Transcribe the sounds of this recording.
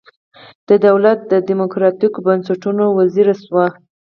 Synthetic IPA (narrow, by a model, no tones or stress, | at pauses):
d̪̥əd̪awlat̪̚d̪əd̪imʊkɾɑt̪ikobansaʈunowaziɾaswa